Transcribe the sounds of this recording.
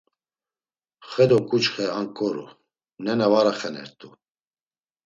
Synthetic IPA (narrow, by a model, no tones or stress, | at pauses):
χɛd̪ɔkʼut͡ʃχɛaŋkʼɔɾṵ | nɛnavaɾaχɛnɛ̰ɾt̪ʼu